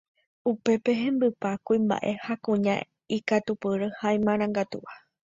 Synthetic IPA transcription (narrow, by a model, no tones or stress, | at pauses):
upe̞pe̞ɦẽ̞mbɨpakuĩmba̰ʔe̞hakũɲã̰ | ikat̪upɨɾɨhaj̃mãɾ̃ãŋɡat̪ṵʔa